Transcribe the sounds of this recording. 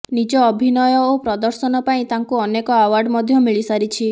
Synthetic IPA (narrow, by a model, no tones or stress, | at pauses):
nid͡ʒɔːbʱinɔjɔopɾɔd̪ɔɾsɔnɔpaĩt̪aŋkuɔnekɔawaɾɖmɔd̪ʱjɔmiɭisaɾit͡ʃʰi